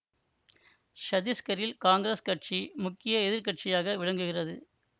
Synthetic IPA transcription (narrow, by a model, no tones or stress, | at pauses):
ʃɐðɪskɐɾɪlkaːŋɡɾeskɐʈ̚t͡ʃimʊkːɪjɐɛðɪɾkɐʈ̚t͡ʃɪjaːɣɐʋɪɻɐŋɡɯɣɪrɐðɯ